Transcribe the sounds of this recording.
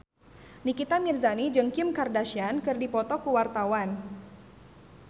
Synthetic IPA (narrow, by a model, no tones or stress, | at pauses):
nikit̪amirzanid͡ʒɨŋkɪmkardaʃiankɨrdipɔt̪ɔkəwart̪awan